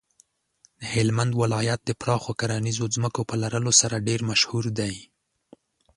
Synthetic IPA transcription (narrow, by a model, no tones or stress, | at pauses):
d̪əhɪlmand̪wɪlɑjat̪̚d̪əpɾɑxokaɾanizozməkopəlaɾəlosaɾaɖeɾmaʃhuɾd̪aj